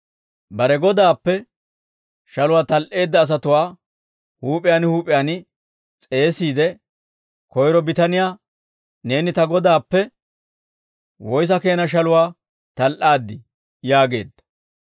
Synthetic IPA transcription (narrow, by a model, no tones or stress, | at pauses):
bɐɾɛɡɔd̪aːpːɛ | ʃɐlʊwaːt̪ɐlʔe̞ːd̪ːɐːs̬ɐt̪ʊwaː | huːpʼɪjaːnɪhuːpʼɪjaːnɪ | t͡sʼe̞ːsiːd̪ɛ | kɔjɾɔbɪt̪ɐnɪjaː | ne̞ːnɪt̪ɐɡɔd̪aːpːɛ | wɔjs̬ɐke̞ːnɐʃ̬ɐlʊwaː | t̪ɐlʔaːd̪ːɪ | jaːɡe̞ːd̪ːɐ̥